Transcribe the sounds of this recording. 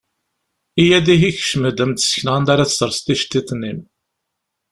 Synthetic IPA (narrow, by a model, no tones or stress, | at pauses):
ijæd̪iɦiç̥ʃməd̪əmt̪ə̥sçnʁənd̪aɾaθə̥səɾˤst̪iʃt̪ːit̪ˤːnːim